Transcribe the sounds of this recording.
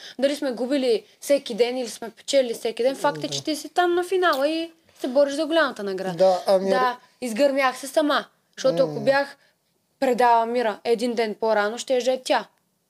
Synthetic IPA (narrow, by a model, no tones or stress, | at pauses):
d̪ɐlismɛɡubilifsɛkʲid̪ɛnilismɛpɛ̥t͡ʃɛlɛlisɛkʲid̪ɛnfakt̪ɛt͡ʃɛ̥t̪isit̪amnɐfinalˠəi | sɛbɔɾiʃzɐɡolʲamɐt̪ənɐɡɾad̪ɐd̪a | izɡɐɾmʲjaxsɛsɐma | ʃt̪ɔʊɐkobʲjax | pɾɛd̪avˠəmiɾəɛd̪ind̪ɛnpoɾanoʃt̪ɛɛʒɛt̪ʲːa